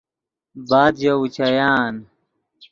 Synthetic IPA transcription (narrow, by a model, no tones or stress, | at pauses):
baːd̪d͡ʑɐwut͡ɕʰɐjaːn